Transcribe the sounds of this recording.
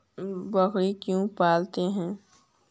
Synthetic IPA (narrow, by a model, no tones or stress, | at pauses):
bɐkɽikjũpaːlt̪eɦɛ̃ː